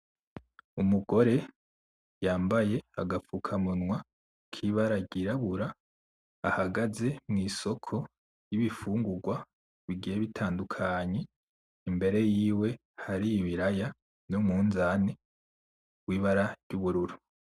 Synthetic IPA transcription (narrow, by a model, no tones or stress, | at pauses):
umuɡo̞ɾe̞ | jaːmbaje̞a̰ɡafukʰamunŋwa | kʰiβaɾaɾɟiɾaβuɾaː | haɡaze̞mŋiːso̞kʰo̞ | jiβifuːŋɡuɡwa | βiɡijeβitʰaːndukʰaɲe̞ | imbe̞ɾe̞jiːwe̞ | haɾijiβiɾaja | numŋuːnzane | wiːβaɾaɾɟuβuɾuɾu